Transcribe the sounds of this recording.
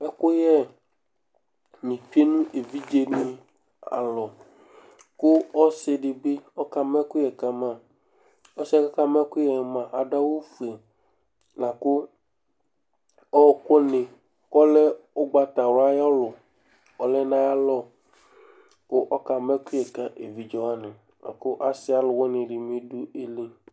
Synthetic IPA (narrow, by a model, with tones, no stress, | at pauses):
ɛ˦ko˦jɛ˦ | mĩ˨fi˦e˦nũ˦ʔe˨vi˦d͡ʒe˦nĩ˦ | a̰˨lɔ˨ | ku˦ɔ˦se˨ɖi˨be˦ɔ˦ka˨mɛ̃˦ku˦jɛ˨ka˨mã˦˨ | ɔ˦sɛ˦ka˦ka˦mɛ̃˦ku˦jɛ˨mã˨ʔa˨ɖa˦wo˦fe˨ | nã˨ko˦ | ɔ˦˨ko˦nɪ̃˨ | kɔ˦lɛ˦ʊ˦ɡ͡ba˦t̪a˨wa˦jɔ˦lʊ˨ | ɔ˨lɛ˦nã˦ja˦lɔ˦ | kʊ˦ʔɔ˦ka˨mɛ˦kʊ˦jɛ˨ka˨ʔe˨vi˨d͡ʒo˨ɦa˦nɪ˨ | na̰˨kʊ˦ʔa˦sɪ˦a˦lʊ˨wɔ˦nɪ̃˨ɖɪ˨mĩ˦du˦e˦li˦